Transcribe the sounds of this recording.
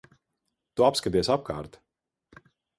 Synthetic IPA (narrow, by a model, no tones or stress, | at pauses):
t̪uapskat̪iɛsap̚kʰaːɾt̪